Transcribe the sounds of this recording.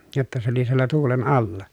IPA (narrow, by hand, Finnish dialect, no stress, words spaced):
jotːɑ se oli sielːæ tuːlen ɑlːɑ